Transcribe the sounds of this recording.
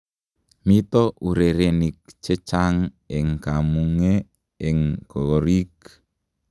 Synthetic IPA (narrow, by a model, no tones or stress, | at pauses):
mit̪ɔuɾeɾenik̚t͡ʃət͡ʃaŋ | ɪŋkamuŋe | ɪŋɡ̥oɾik